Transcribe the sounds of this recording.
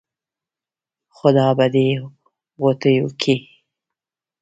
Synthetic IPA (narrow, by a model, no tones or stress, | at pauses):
xʊd̪ɑːbad̪e | wot̪əjukʰi